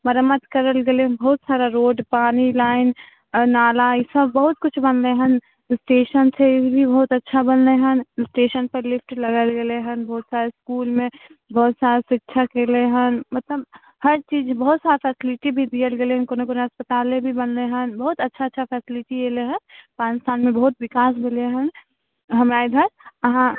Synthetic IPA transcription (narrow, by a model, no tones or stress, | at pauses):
mɐɾəmət̪kɐɾəlɡelebɐɦʊt̪saːɾaɾoːɖpaːnilaːɪn | naːlaɪsəbːɐɦʊt̪̚kʊt͡ʃʰbɐnleɦən | sʈeːʃənt̪ʰeɪbibʱibɐɦʊt̪ɐtːʃʰabɐnleɦənsʈeːʃənpəɾlɪfʰʈlɐɡəlɡeleɦənbɐɦʊt̪saːɾeskuːlmẽ | bɐɦʊt̪saːɾesɪkːʃʰakeleɦənmɐt̪ləb | hɐɾt͡ʃiːd͡ʒbɐɦʊt̪saːɾepʰɛːsɪlɪʈibʱid̪ijəlɡeleɦənkonekoneəspət̪aːlẽbʱibənleɦənbɐɦʊt̪ɐtːʃʰatːʃʰapʰɛːsɪlɪʈikeleɦənpãːnɪst̪ʰaːnmẽbɐɦʊt̪̚ʋɪkaːs̬mɪleɦən | ɦəmaːd̪ʱəɾəɦã